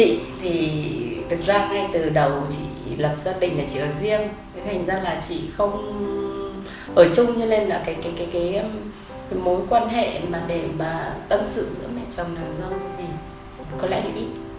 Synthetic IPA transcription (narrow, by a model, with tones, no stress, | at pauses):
t͡ɕḭ˧˨t̪ʰi˨˩t̪ʰk̚zaː˧ŋa˧t̪ɨ˨˩ɗə˨˩wt͡ɕḭ˧˨lə˨˩p̚zaː˧ɗï˧˨ŋ̟laː˨˩t͡ɕḭ˧ʔəː˧˨˩zi˧əŋt̪ʰe˨˦t̪ʰa˨˩jŋ̟zaː˧laː˨˩t͡ɕḭ˧˨xə˧wŋ͡m | ʔəː˧˩t͡ɕʊ˧ŋ͡mɲɨ˧le˧nlaː˨˩kaː˨˦jkaː˨˦jkaː˨˦jkaː˨˦jm | kaː˨˦jmo˨˦jkwaː˧nɦḛ˧˨maː˨˩ɗe˧˩maː˨˩t̪ə˧msɨ̰˧˨zɨ̰˧˥əmɛ̰˧˨t͡ɕɔ˨˩wŋ͡mlaː˨˩mzə˧wt̪ʰi˨˩ | kɔ˨˦lɛ̰˧˥laː˨˩ʔi˦˥t̚